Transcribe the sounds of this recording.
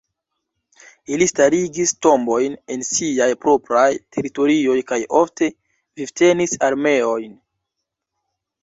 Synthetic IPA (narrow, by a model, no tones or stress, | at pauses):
ilistaɾiɡisto̞mbo̞jne̞nsiajpɾo̞pɾajtʰe̞ɾito̞ɾio̞jkajo̞fte̞ | vivte̞nisaɾme̞o̞jn